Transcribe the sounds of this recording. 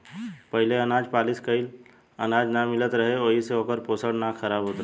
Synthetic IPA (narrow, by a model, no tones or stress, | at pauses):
pɐɦɪleɐnaːd͡ʒpaːlɪskəɪl | ənaːd͡ʒnamɪlət̪ɾɐɦeoːɦiseoːkəɾpoːsəɽnaxʰəɾaːbɦoːt̪ɾ